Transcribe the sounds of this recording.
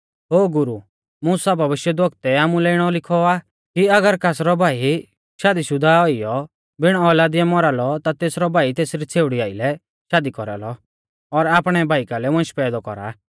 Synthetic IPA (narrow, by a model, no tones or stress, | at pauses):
ɦoːɡʊɾu | muːsabʱɐbɪʃjɛd̪ʋɔɡt̪ɛaːmũlɛɪɽ̃ɔlɪkʰɔaː | kiɐɡəɾkaːsɾɔbʱaːi | ʃaːd̪iʃʊd̪ʱaɔijɔ | bɪɽ̃ɔɔlaːd̪ɪjamɔɾaːlɔt̪at̪eːsɾɔbʱaːit̪eːsɾit͡sʰeːʊɽiaːilɛ | ʃaːd̪ikɔɾa̰lɔ | ɔɾaːpɽ̃ɛbʱaːikalɛmɔ̃ʃpɛːd̪ɔkɔ̰ɾa̰ː